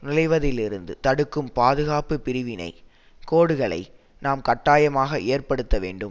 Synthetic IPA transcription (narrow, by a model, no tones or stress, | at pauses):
nɪlɐɪʋɐðɪlɪɾɯnd̪ɯt̪ɐɽɯkːɯmpaːðɯɣaːpɯpɪɾɪʋɪnɐ̰ɪ | koːɽɯɣɐɭɐ̰ɪ | naːmkɐʈːaːjɐmaːɣɐʔeːɾpɐɽɯt̪ːɐʋḛːɳɖɯm